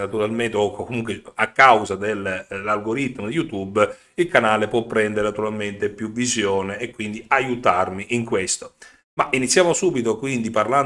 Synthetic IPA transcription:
nat̪uɾalment̪eɔkːokomuŋkweakːawzad̪elːalɡoɾit̪ːmod̪ejut̪ubː | ilkanaːlepwɔpːɾɛnd̪eɾenat̪uɾalment̪epjuvizjɔːneːkːwind̪iajut̪armiʔiŋkwest̪o̥ | mainit̪sːjaːmosubit̪okwind̪iparlan

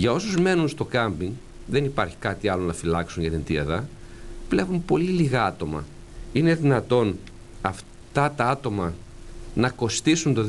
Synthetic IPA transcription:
ʝɐo̞suzme̞nunst̪o̞kɐmbiŋ | ðe̞nipɐɾçi̥kɐt̪iɐlo̞nɐfilɐksunʝɐt̪int̪iɐðɐ | vle̞vumpo̞liliɣɐɐt̪o̞mɐ̰ | ine̞ðinɐt̪o̞n | ɐf | t̪ɐt̪ɐɐt̪o̞mɐ | nɐko̞st̪isunt̪o̞

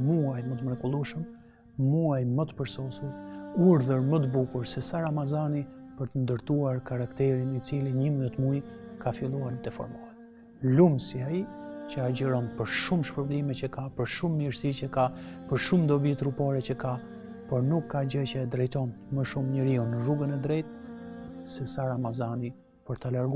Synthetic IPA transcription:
muajmət̪əmɾɛɡulˠuʃəmː | uajmət̪ə̥pəɾsɔsuɾuɾðəɾmət̪əbukuɾsɛsaɾamazanipəɾt̪ənd̪əɾt̪uaɾkaɾakt̪ɛɾinit͡siliɲəmət̪mujkafilˠuaɾt̪ɛfɔ̰ɾmɔlɛ | lumsiait͡ɕəaɟəɾɔnpəɾʃumʃpəɾblimɛt͡ɕəkapəɾʃumːiɾsit͡ɕəkapəɾʃumd̪ɔbit̪ɾupaɾɛt͡ɕəka | pɔɾnukːad͡ʒəcɛɛd̪ɾɛjt̪ɔn | məʃumɲəɾiunːəruɡənɛd̪ɾɛjt̪ | sɛsaɾamazani | pəɾt̪alaɾɡu

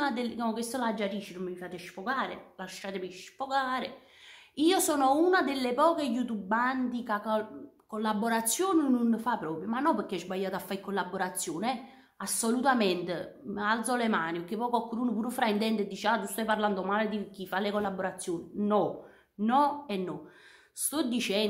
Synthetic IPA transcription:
ad̪elamkwest̪olad͡ʒːaɾiːt͡ʃːinumːmifaːt̪eʃfokaːɾḛlaʃːaːt̪emiʃfokaːɾe | iːosɔːnounad̪elːepɔːkejut̪ubant̪ikak | kolːabːoɾat̪sːjoːnɪnunːfapːɾɔːpɾjomanːɔpəɾkːeɛzbajːaːt̪oafːaikːolːabːoɾat̪sːjoːnɛ | asːolut̪amɛnt̪ealt̪solemaːnikːepɔːkakːoɾuːnopuːɾufɾaint̪ɛnt̪ed̪ːit͡ʃaːt̪ust̪ɔjparland̪omaːled̪ikifalːekolːabːoɾat̪sːjoːninɔ | nɔɛnːɔ | st̪ɔd̪ːit͡ʃɛ

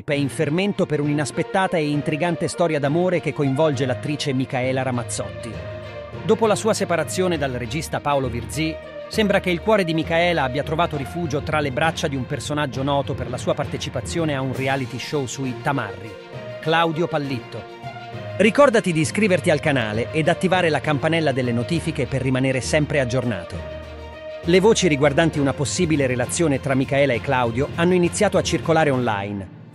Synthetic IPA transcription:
pɛiɱferment̪opeɾuninaspet̪ːaːt̪aeint̪ɾiɡant̪est̪ɔːɾjad̪amoːɾek̟ekːoiɱvɔld͡ʒelat̪ːɾiːt͡ʃemikaɛːlaɾamat̪sːɔt̪ːi | d̪oːpolasuːasepaɾat̪sːjoːned̪alred͡ʒist̪apaolovird̪zi | sembɾak̟eilkwɔːɾed̪imikaɛːlaabːjat̪ɾovaːt̪oɾifuːd͡ʒot̪ɾalebɾat͡ʃːad̪iumpersonad͡ʒːonɔːt̪operlasuːapart̪et͡ʃipat̪sːjoːneaunrialit̪iʃosuit̪ama̰rːi | klawd̪jopalːit̪ːo | rikɔrd̪at̪id̪iskɾiːvert̪ialkana̰ːleʔed̪ːat̪ːivaːɾelakampanɛlːad̪elːenot̪iːfikeperːimaneːɾesɛmpɾead͡ʒːorna̰ːt̪ḛ | levoːt͡ʃiɾiɡward̪ant̪iunaposːiːbileɾelat̪sːjoːnet̪ɾamːikaɛːlaekːlawd̪joanːoinit̪sːjaːt̪oat͡ʃːirkolaːɾeonla̰jn

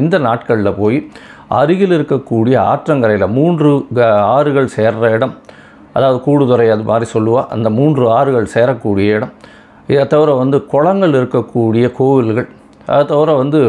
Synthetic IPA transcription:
ɪnd̪ɐnaːʈkɐɭɪlɐpoːjiɐɾɯɣɪlɪɾɯkːɐkːuːɽɪjɐa̰ːʈrɐŋɡɐɾɐɪlɐmuːndrɯaːɾɯɣɐɭseːɾrɐɪɽɐm | ʔɐðaːʋɐðɯkuːɽɯðɔɾɐɪɐðɯmʔa̰ːd̪ɾisɔlːɯʋãːʔɐ̰nd̪ɐmuːndrɯaːɾɯɣɐɭseːɾɐkːuːɽɪjɐɪɽɐm | ɪðɐt̪ːɐʋɪɾɐ̃ʋɐnd̪ɯkɔɻɐŋɡɐɭɪɾɯkːɐkːuːɽɪjɐkoːʋɪlɣɐɭ | ɐ̰ðɐt̪ːɐʋɪɾɐ̃ʋɐnd̪ɯ

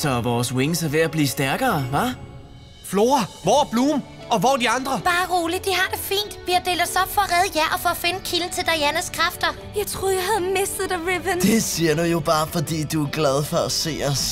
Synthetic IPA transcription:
sɒʋɒːswe̝ŋsɐʋe̝æb̥liːsd̥æɐɡ̥ɐːʋɑ | flo̝ːɐʋɒːb̥luːm | ɒ̽ʋɒːd̥iɑ̈nd̥ʁɐb̥ɑ̈ːʁuːlid̥iɦɑ̈d̥e̝fḭːnd̥b̥iɐd̥e̝̰ːld̥ɐsɒ̽b̥fɒ̽ʁɛð̞ˠjæɐɒfɒ̽ːfe̝nəkʰiln̩t͡sʰe̝ld̥ɑ̈ɪænəskʰʁɑ̈fd̥ɐ | jɑ̈ɪt͡sʰʁoːð̩ˠjɑɦæð̩ˠmesd̥ð̩ˠdəʁibənd̥e̝siɐnujo̝b̥ɑ̈ːfɒ̽d̥ḭːd̥uæɡ̥lɛð̞ˠfɒ̽æse̝̰ːɒs

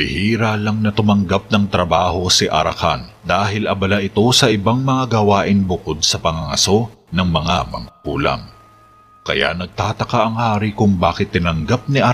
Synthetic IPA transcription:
ɪ̰hiːɾalɐŋnɐt̪ʊmɐŋɡap̚nɐŋt̪ɾɐbaːho̞sɪʔɐ̰ɾɐ̰ka̰nd̪aːɦɪlʔɐbɐlaʔɪt̪o̞sɐʔɪbaŋmɐŋaɡɐwaːʔɪnbʊko̞d̪̚sɐpɐŋaŋɐ̰so̞nɐŋmɐŋamɐ̰ŋkuːlɐ̰ŋ | kɐ̰ja̰ʔnɐɡ̚t̪aːt̪ɐkaʔɐŋhaːɾikʊŋbaːkɪt̪ːɪnɐŋɡap̚niʔɐ

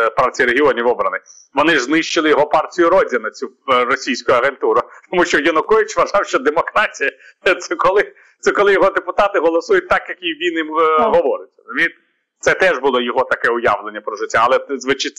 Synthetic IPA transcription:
pɑrtʲijiɾeɦʲɪɔnʲiʋɔbɾɐnɪ | ʋɔnɪznɪʃt͡ʃɪlˠɪjɔɦɔpɑrtʲijʊɾɔdʲɐnɐt͡sʲuɾɔsʲijsʲkʊjʊɐɣent̪uɾɐt̪ɔmuʃt͡ʃɔjɐnʊkɔʋʲit͡ʃʋɐʒɑwʃt͡ʃɔd̪emɔkɾɑtʲijɐt̪sɛkɔlˠɪ | t̪sɛkɔlˠɪjɔɦɔd̪epʊt̪ɑt̪ɪɦɔlˠɔsujʊt̚ʲt̪ɑkjɐkiʋʲinimɦɔʋɔɾɪtʲrɔzʊmʲit̪ | t̪sɛt̪ɛʒbʊlˠɔjɔɦɔt̪ɐkɛʊjɑ̰ʋlˠenʲːɐpɾɔʒɪtʲːaːlˠɛzʋɪt͡ʃɪ

